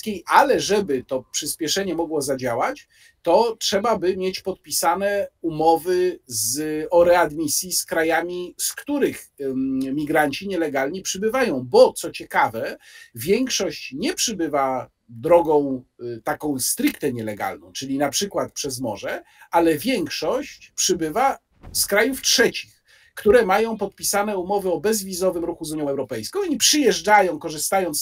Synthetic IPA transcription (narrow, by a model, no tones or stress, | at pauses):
kʲejʔalɛʐɛbɘt̪ɔpʂɘspʲjɛʂɛɲɛmɔɡwɔzad͡ʑawat͡ɕ | t̪ɔtʂɛbabɘmʲjet͡ɕpɔt̪̚pʲisanɛumɔvɘzɔɾɛad̪mʲisʲjiskɾajamʲiskt̪uɾɘx | mʲiɡɾaɲt͡ɕiɲɛlɛɡalɲipʂɘbɘvajɔ̃w̃bɔt̪sɔt͡ɕɛkavɛvʲjɛŋkʂɔɕt͡ɕɲɛpʂɘbɘva | d̪ɾɔɡɔ̃w̃t̪akɔ̃w̃st̪ɾikt̪ɛɲɛlɛɡa̰lnɔ̃w̃t͡ʂɘlʲinapʂɘkwat̪̚pʂɛzmɔ̰ʐɛ | ʔalɛvʲjɛŋkʂɔɕt͡ɕpʂɘbɘva | skɾajuftʂɛt͡ɕi̥x | kt̪uɾɛmajɔ̃w̃pɔt̪̚pʲisanɛumɔvɘɔbɛzvʲizɔvɘmɾuxuzuɲjɔ̃w̃ɛwɾɔpɛjskɔ̃w̃ipʂɘjɛʐd͡ʐajɔ̃w̃kɔʐɘst̪ajɔnt̪s